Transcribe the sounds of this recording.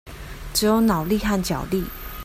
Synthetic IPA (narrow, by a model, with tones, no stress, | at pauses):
ʈ͡ʂɻ̩˨˧˦jo˧˦ʊnɑ˨˩ʊli˥˧xa˥˨nt͡ɕjɑ˨˩ʊli˥˨